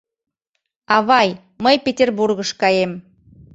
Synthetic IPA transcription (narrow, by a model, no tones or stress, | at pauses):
ɑβɑj | məjpʲetʲerburɣəʃkɑjem